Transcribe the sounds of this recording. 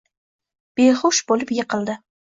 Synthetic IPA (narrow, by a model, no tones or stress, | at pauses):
b̥eχʊʃbolɪpjɪqɨlˠd̪ɪ